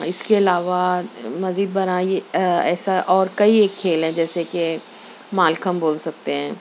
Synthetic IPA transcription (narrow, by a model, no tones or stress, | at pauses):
ɪskeɐlaːʋamɐziːd̪̚bɐnaːieɛːsaʔɔːɾkɐieːkʰːeːlɦɛ̃d͡ʒɛːseke | maːlkəmboːlsɐk̚t̪eɦɛ̃ː